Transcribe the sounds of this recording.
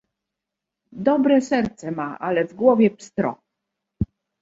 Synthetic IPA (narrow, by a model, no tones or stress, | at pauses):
d̪ɔbɾɛsɛɾt̪sɛmaʔalɛvɡwɔvʲjɛpst̪ɾɔ̰